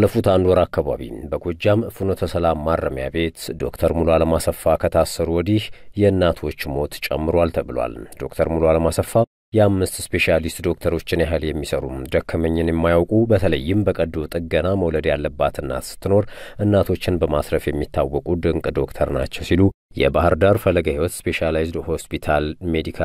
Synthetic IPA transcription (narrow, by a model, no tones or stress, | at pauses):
lːəfut̪and̪wɔɾakːaβa̰βḭbəɡod͡ʒːamfɨnot̪ʰəsəlamːarːəmja̰be̞t̪d̪o̞̰kt̪ʰəɾmuloaləmasəfːakʰət̪ʰasəɾuwɔd̪ihjɛɨnːat̪ʰo̞t͡ʃːmo̞t̪t͡ʃʼɛmːɨɾwalt̪ʰəβɨlwa̰ld̪̥o̞kt̪ʰəɾmuloaləmasəfːa | jɛamːɨst̪spe̞ʃalist̪d̪o̞k̚t̪ʰəɾo̞t͡ʃːɪnjaɦɨljɛmːisəɾṵmd̪əkʰːəməɲːɪnjɛmːajawkʼubət̪ʰələjːɪmbəkʼəd̪ot̪ʼɨɡənaməwləd̪jalːəbːat̪ɨnːa̰t̪sɨ̥t̪ːɨno̞ɾʔɨnːat̪ʰo̞t͡ʃːɪnbəmasɾəfjɛmːit̪ːawːɔkʼud̪ɨŋkʼd̪o̞kt̪ʰəɾna̰t͡ʃːɛwsilu | jɛ̰bahɨɾd̪aɾfəlːəɡahiwɔt̪spe̞ʃalajzd̪ho̞spit̪ʰalme̞d̪ikʰa